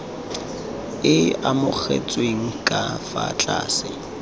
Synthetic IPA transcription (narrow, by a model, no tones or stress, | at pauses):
ɪamʊk͡xʰḛt͡sʼweŋ̩kʼafat͡ɬʼa̰ːsɪ